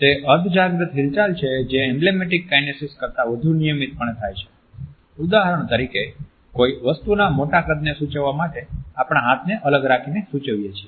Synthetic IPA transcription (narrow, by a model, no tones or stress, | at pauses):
t̪eʔəd̪ʱd͡ʒaɡɾət̪ɦilt͡ʃalt͡ʃʰed͡ʒeɛmblemeʈikːajnesiskəɾt̪aʋəd̪ʱunijəmit̪̚pəɳet̪ʰajt͡ʃʰe̥ | ud̪aɦəɾəɳ̃t̪əɾike | koiʋəst̪unamoʈakəd̪nesut͡ʃəʋːamaʈeapɽ̃aɦat̪ʰneʔələɡɾakʰinesut͡ʃəʋjet͡ʃʰie